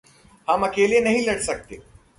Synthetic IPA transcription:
hɐmɐkeːlenɐɦĩlɐɽsɐk̚t̪eː

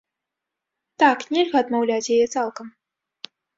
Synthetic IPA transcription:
t̪aknʲɛlʲɣɐːd̪mawlʲat͡sʲjajɛt̪salˠkɐm

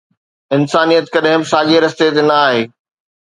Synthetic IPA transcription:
ɪnsaːnijət̪kɐɗɦɪ̃mɪsaːʄeɾɐst̪et̪enɐaːɦeː

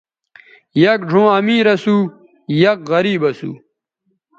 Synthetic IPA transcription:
jɐk̚ɖʱõːɐmiːɾɐsuː | jɐkɣɐɾiːbɐsṵː

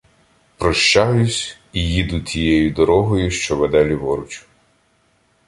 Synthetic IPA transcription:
pɾɔʃt͡ʃajʊsʲ | ijid̪ʊtʲijɛjʊd̪ɔɾɔɦɔjʊʃt͡ʃɔʋɛd̪ɛlʲiʋɔɾʊt͡ʃʊ̥

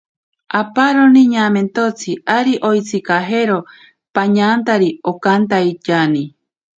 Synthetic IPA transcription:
apaɾoniɲaːment̪ot͡sʰiaɾiʔojt͡sikaɦeɾo | paɲãːnt̪aɾiokant̪ait͡ʃani

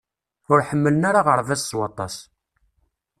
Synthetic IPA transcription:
ʊɾħəmːələnaɾaʁəɾˤvæsːwɑt̪ˤɑs

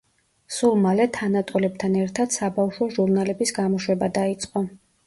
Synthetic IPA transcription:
sulˠmalɛt̪ʰanat̪ʼɔlɛb̚t̪ʰanɛɾt̪ʰad̪̥sabafʃɔʒuɾnalɛbisɡamɔʃwɛbad̪ait̪sʼqʼɔ

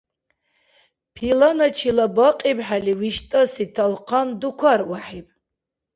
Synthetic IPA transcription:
pʰilanat͡ʃʰilabaqʼibħaliwiʃtʼasitʰalqʰandukʷʰarwaħipʼ

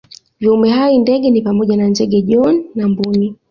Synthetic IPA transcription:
viumɛɦaindɛɠɛnipamɔʄanandɛɠɛʄɔnːambuni

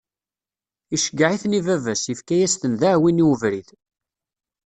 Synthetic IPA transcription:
iʃəɡːʕiθnivævæsəfkæjæst̪ənðaʕwiniwəvɾið

